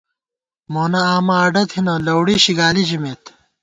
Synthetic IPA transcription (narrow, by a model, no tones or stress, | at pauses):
moːnɐaːmɐːɖɐt̪hinɐlɐwɽiɕiɡaːlid͡ʑimeːt̪